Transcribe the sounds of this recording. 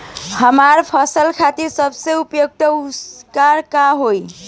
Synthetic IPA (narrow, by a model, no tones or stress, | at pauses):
həmaɾpʰəsəlkʰat̪iɾsəbseupjoɡ̚t̪əuskaɾkaɦoj